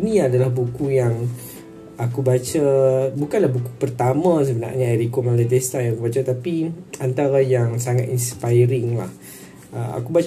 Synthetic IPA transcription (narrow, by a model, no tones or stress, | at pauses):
nĩadalahbukujaŋ | akubat͡ʃabukanlahbukupərt̪amãs̬əbəna̰rɲaɛɾikomalit̪est̪ajãŋakubat͡ʃat̪apiant̪aɾajaŋsaŋat̪inspajɾɪŋla̰h | əa̰kuba